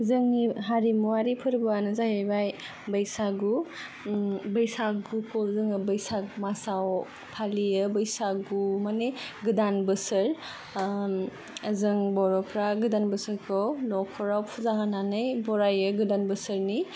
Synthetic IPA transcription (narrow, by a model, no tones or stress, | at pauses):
zɯŋniɦaɾimuwaɾipʰɯɾbɔanɯzaɦebaj | bɐjsaɡu | bəjsaɡukʰɔzɯŋɯbɐjsak̚masaw | pʰaliɯbəjsaɡumaneɡɯdanbɯsɯɾ | azɯŋbɔɾɔpʰɾaɡɯdanbɯsɯɾkʰɔwlɔkʰɔɾawpʰuzaŋananɯjbɔɾajɯɡɯdanbɯsɯɾni